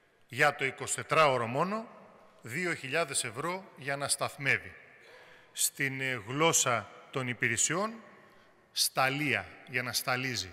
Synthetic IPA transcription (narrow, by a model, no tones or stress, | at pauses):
ʝɐt̪o̞iko̞si̥t̪et̪ɾɐo̞ɾomo̞no̞ | ðio̞çiʎɐðe̞se̞vɾo̞ʝɐnɐst̪ɐθme̞vi | st̪inɣlo̞sɐt̪o̞nipiɾesio̞n | st̪ɐliɐ̰ʝɐnɐst̪ɐlizi